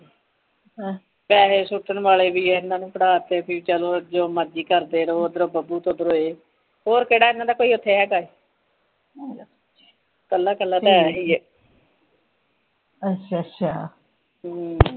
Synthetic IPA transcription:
pɛːɦeːsʊʈənʋaːleːʋiːɛɪnːãːnũːpəɽaːt̪ːeːəpʰiːiːt͡ʃəloːd͡ʒoːməd͡ʒiːkəɾd̪eːɾoːd̪əɾobəbuːt̪õːd̪əɾoːeː | hoːɾkeːɽaːɪnːãːd̪aːkoːiːʊt̪ʰːeːɦɛːɡaːe | kəlːaːkəlːaːt̪ɛːɦiːɛ | ətʃʰatʃʰaː

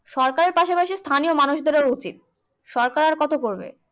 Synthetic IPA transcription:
ʃɔɾkaɾeɾpaʃapaʃist̪ʰaniomanuʃd̪eɾaɾut͡ɕit̪̚ | ʃɔɾkaɾaɾkɔt̪okoɾbḛ

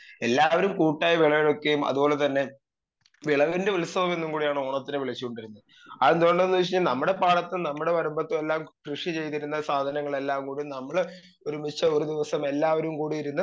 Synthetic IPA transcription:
elːaːʋɐɾumkuːʈːaːjɐʋiɭɐʋiɭo̞kːe̞jumɐ̰ðubo̞ːlet̪ɐnːe̞ | ʋiɭɐʋindeʋilusɐbɐme̞nːumkuːɽijaːɳɨoːɳɐt̪ːinɨʋiɭɐt͡ɕːukoɳɖiɾunːuð | ɐend̪uoɳɖenːuʋit͡ɕiɲːalnɐmːuɽe̞paːɽɐt̪ːɨnɐmːuɽe̞ʋɐɾumbɐt̪ːomelːaːmkrɨʂit͡ɕe̞jt̪̬iɾunːɐsaːd̪ʱɐnɐŋːɐɭe̞lːaːmkuːɽumnɐmːɐɭ | oɾumit͡ɕːɐoɾud̪iʋɐsɐme̞lːaːʋɐɾumkuːɽijiɾunːɐ

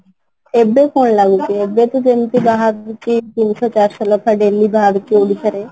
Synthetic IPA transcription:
eːbekoːɳlaːɡukeeːbet̪ud͡ʒ̪emt̪ibaɦəɡt͡ʃit̪insɔt͡ʃaːɾsɔlɔkʰaɖeːlibʱaːɡkiuɽikəɾeː

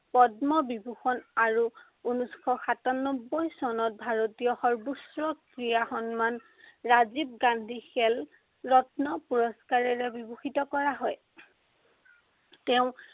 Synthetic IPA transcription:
pɔdmɔbibuxɔnaɹu | unuskɔxatanɔbːojsɔnɔt̚bʱaɹotijɔxɔɹbusɹɔkɹijaxɔnman | ɹazib̚ɡandʱixɛl | ɹɔtnɔpuɹɔskaɹɛɹɛbibuxitɔkɔɹaɦɔj | tɛʊ̃

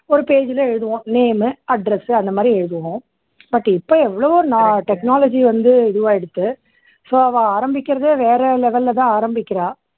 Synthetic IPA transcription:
ɔɾɯpeːd͡ʒɪlɐɛɻɯðɯʋõːneːmɯɐɖɾɛsɯɐnd̪ɐmaːd̪ɾiɛɻɯðɯʋõ | bɐʈːɪpːoːɛʋːɐɭoːɔɾɯnaːʈɛknaːlɐd͡ʒiʋɐnd̪ɯɛðɯʋaːɛɽɯt̪ːɯ | soːɐʋãaːɾɐmbɪkʲːɪɾɐðeʋeːɾɛlɛʋɐlːt̪ãːaːɾɐmbɪkʲːɪɾãː

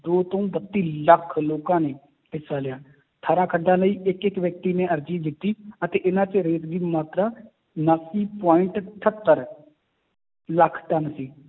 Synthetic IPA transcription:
d̪oːt̪õːbət̪ːiːləkʰloːkãːneː | ɪsaːlɪjaː | t̪ʰaːɾãːkʰəɖːãːləiːʔɪkɪkʋjək̚t̪iːnẽːəɾd͡ʒiːd̪ɪt̪ːiːət̪eːʔɪnãːt͡ʃɾeːt̪ɡiːmaːt̪ɾaː | nəsiːpaːɪɳʈʈʰət̪ːəɾ | ləkʰːʈənsiː

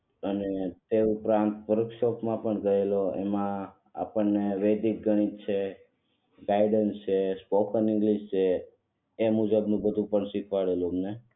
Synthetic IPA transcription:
ənet̪eupɾãnt̪ʋəɾkʃɔpmãpəɳɡəɦeloḛmã | a̰pəɳːeʋed̪ik̚ɡʱəɽ̃it͡ʃʰe | ɡaiɖənst͡ʃʰespokənɪ̃ŋɡliʃt͡ʃʰeː | mud͡ʒəbnũbəd̪ʱũpəɳʃikʰʋaɭeluəmne

